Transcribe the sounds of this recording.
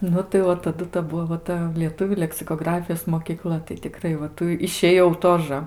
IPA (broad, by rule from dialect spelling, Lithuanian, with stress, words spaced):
nʊ tɐɪ ˈʋɐ tɐˈdʊ tɐ ˈbʊʋoː ʋɐ ˈtɐ lʲiɛˈtʊʋʲuː lʲɛksʲɪkoːˈɡrɑːfʲɪjoːs moːkʲiːˈklˠɐ tɐɪ tʲɪˈkrɐɪ ʋɐ ˈtuː ɪʃʲeːˈjɛʊ ˈtoːʒə